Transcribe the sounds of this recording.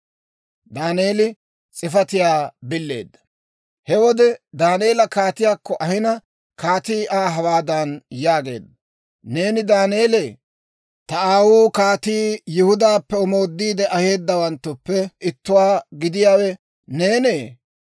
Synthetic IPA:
d̪aːneːlɪ | t͡sʼɪfɐt̪ɪjaːbɪlːe̞̰ːd̪ːɐ̥ | hɛwɔd̪ɛd̪aːne̞ːlɐkaːt̪ɪjaːkːɔʔɐhɪnɐ | kaːt̪iːʔaːɦɐwaːd̪ɐnjaːɡe̞̰ːd̪ːɐ | ne̞ːnɪd̪aːneːleː | t̪ɐaːwuːkaːt̪iːjɪhʊd̪aːpːɛɔmo̞ːd̪ːiːd̪ɛʔɐhe̞ːd̪ːɐwɐnt̪ːʊpːɛʔɪt̪ːʊwaːɡɪd̪ɪjaːwɛ | neːneː

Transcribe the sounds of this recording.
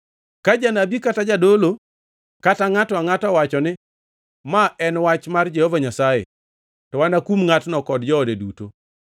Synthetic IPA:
kad͡ʒanabikatad͡ʒadolo | kataŋatɔaŋatɔwat͡ʃɔnɪ | maɛnwat͡ʃmard͡ʒɛhovaɲasajḛ | tɔwanakumŋatnɔkɔdd͡ʒɔːdeduto

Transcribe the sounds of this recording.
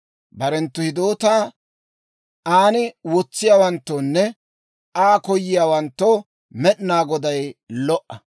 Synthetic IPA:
bɐɾɛnt̪ːʊhɪd̪oːt̪aː | ʔaːnɪwɔt͡sːɪjaːwɐnt̪ːoːnːɛ | aːkɔjːɪjaːwɐnt̪ːo | mɛɗnaːɡɔd̪ɐjlɔʔːɐ

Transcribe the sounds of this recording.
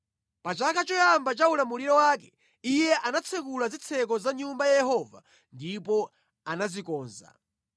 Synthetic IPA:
pat͡ʃakʰat͡ʃɔjambat͡ʃaulamuliɾɔwak̬ɛ | ijɛʔanat͡sʰɛkulazit͡sʰɛk̬ɔzaɲumbajajɛɦɔva̰ | ndipɔ | anazikɔːnza̰

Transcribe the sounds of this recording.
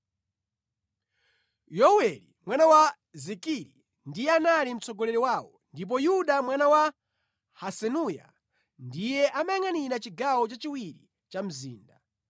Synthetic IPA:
jɔwɛlimwanawa | zikiɾi | ndijɛanalim̩t͡sɔɡɔlɛɾiwaːwɔndip̬ɔjuɗamwanawa | hasɛnuja̰ | ndijɛʔamaŋaniɾat͡ʃiɡawɔt͡ʃat͡ʃiwiɾi | t͡ʃam̩zḭːnda

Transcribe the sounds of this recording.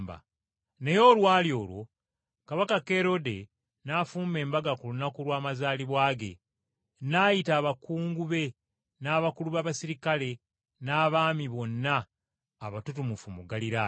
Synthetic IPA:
ba̰ | ne̞jo̞ːlwaːljo̞ːlwo̞̰ | kaβakake̞ɾo̞de̞ | nafuːme̞ːmbaɡakulunakulwaːmazaːliβwaːɡe̞̰ | naːjitaːβakuːŋɡuβe̞ | naːβakuluβaːβasiɾikale̞ | naːβaːmiβo̞nːaː | βatutumufumuɡaliɾa

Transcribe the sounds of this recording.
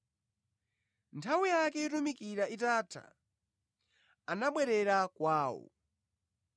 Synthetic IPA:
ntʰawijakɛitumikiɾaitatʰa̰ | anaɓwɛɾɛɾakwaːwɔ̰

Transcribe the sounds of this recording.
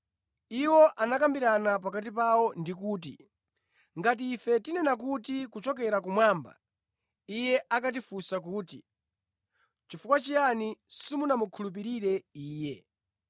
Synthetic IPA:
iwɔʔanakambiɾanap̬akat̬ipawɔndikuːt̬ḭ | ŋɡat̬iːfɛtinɛnak̬utikut͡ʃɔkɛɾak̬umwaːmba̰ | ijɛakat̬ifusak̬uːti | t͡ʃifukwat͡ʃijanisimunamukʰulup̬iɾiɾɛiːjɛ

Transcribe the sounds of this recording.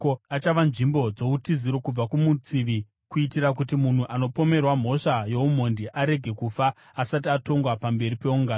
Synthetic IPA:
koat͡ʃaʋanʐimbo̞d͡zo̞utiziɾo̞kub͡vakumut͡siʋi | kuitirak̬utimun̤uʔano̞po̞me̞rwam̤o̞ʂajo̞um̤o̞ndiʔaɾe̞ɡʱe̞kufaː | satiato̞ŋɡwapambe̞ɾipe̞uŋɡaːn

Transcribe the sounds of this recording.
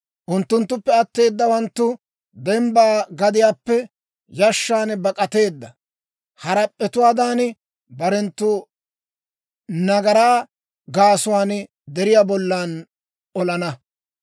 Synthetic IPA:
ʔʊnt̪ːʊnt̪ːʊpːɛɐt̪ːe̞ːd̪ːɐwɐnt̪ːʊ | d̪ɛmbaːɡɐd̪ɪjaːpːɛ | jɐʃːaːnbɐkʼɐt̪e̞ːd̪ːɐ | hɐɾɐpʼːɛt̪ʊwaːd̪aːn | bɐɾɛnt̪ːʊ | nɐɡɐɾaː | ɡaːsʊwaːn | d̪ɛɾɪjaːbɔlːaːn | ɔlɐnɐ

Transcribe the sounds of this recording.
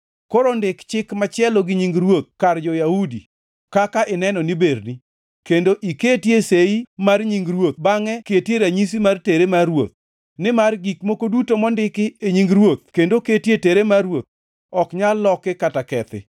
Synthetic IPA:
koɾondɪkt͡ʃɪkmat͡ʃɪɛlɔɡɪɲiŋɡɾwot̪̚kard͡ʒɔjahudḭ | kakaʔɪnɛnɔniberni | kendoʔiketjeseimarɲiŋɡɾwot̪̚baŋɛketjeɾaɲis̬imarteɾemarwo̰t̪̚ | nɪmarɡikmokodutomɔndɪkɪeɲiŋɡɾwot̪̚kendoketjeteɾemarwot̪̚ | ɔkɲalːɔkɪkatakɛt̪ɪ̰

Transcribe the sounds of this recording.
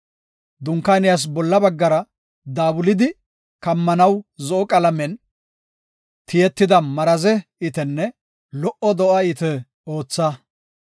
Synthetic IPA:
d̪ʊŋkːaːnɪjas̬bɔlːɐbɐɡːɐɾɐ | d̪aːbʊlɪd̪ɪ | kɐmːɐnɐwzɔʔɔkʼɐlɐmɛn | t̪ɪjɛt̪ːɪd̪ɐmɐɾɐzɛɪt̪ɛnːɛ | lɔʔɔd̪ɔʔɐɪt̪ɛ | o̞ːt͡sːɐ

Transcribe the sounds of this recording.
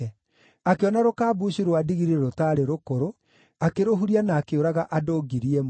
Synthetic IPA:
akeɔnaɾokaːbuːɕiɾwadiɣiɾeɾotaːɾeɾokoɾo | akeɾoɦuɾianaːkeoɾaɣaʔadoːɡiɾiɛm

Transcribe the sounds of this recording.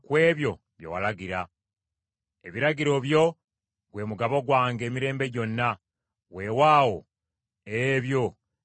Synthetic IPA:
kwe̞ːβjo̞ | βjowalaɡiɾa | eβiɾaɟiɾo̞βjo̞ | ɡwe̞ːmuɡaβo̞ɡwaːŋɡe̞ːmiɾe̞ːmbe̞ɟo̞nːa | we̞ːwaːwo̞̰ | eβjo̞

